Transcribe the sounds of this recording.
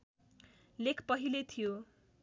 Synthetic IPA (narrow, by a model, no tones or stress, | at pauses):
lekʰpʌɦilet̪ʰijo